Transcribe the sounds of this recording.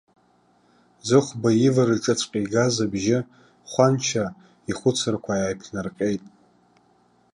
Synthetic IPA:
zɨχʷbajɪvarɨʈ͡ʂʼɨt͡sʷʰʼqʲʼiɡazabʒɪ | χʷant͡ʃʰa | iχʷʊt͡sʰɨrkʷʰajajpʰnarqʲʼe̞jtʼ

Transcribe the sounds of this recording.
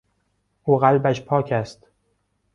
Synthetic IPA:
ʔuːɣælbæʃpʰɒːcʰæst̪

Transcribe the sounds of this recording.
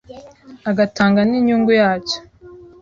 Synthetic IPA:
aɡataːŋɡaniːɲuːŋɡujaːt͡ʃo̥

